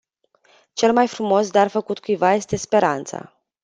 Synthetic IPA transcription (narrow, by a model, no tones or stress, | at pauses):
t͡ʃe̞lmajfɾumo̞sd̪arfəkut̪kujvaje̞st̪e̞spe̞ɾant̪sa̰